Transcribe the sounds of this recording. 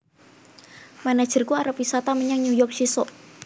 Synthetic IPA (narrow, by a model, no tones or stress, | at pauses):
manḁʒ̥ərkuaɾəp̚wisat̪aməɲaŋɲujɔrk̚t͡ʃisɔʔ